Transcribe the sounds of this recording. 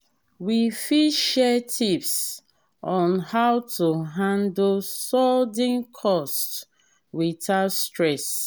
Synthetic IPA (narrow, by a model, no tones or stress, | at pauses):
wifidʃɛtʰips | ɔ̃nhawtuɦãndsɔldĩnkʰɔst | witʰastɹɛs